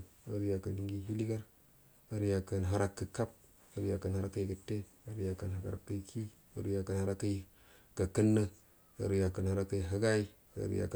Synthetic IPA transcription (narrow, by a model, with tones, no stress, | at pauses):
ə˨ɾja˨kə˨i˦ŋɡi˦ɦi˦li˦ɡa˦ɾ | ə˨ɾja˨kə˨nɦa˦ɾa˦kːə˨ka˦p̚ | ə˦ɾja˨kə˨nha˦ɾa˦kːə˦jɡə˨tːe˦ | a˦ɾja˨kə˨nɦa˨ɡa̰˨ɾkːə˦kʰi˦ | ə̰˦ɾu˦ja˨kə˨nha˦ɾa˦kə˦ | kə˨kə˦nːə˦ | ə̰˨ɾja˨kə˨nha˦ɾa˦kːə˦˨ɦa˦ɡa˦i˦ | ə̰˨˦ɾ̰ja̰˨k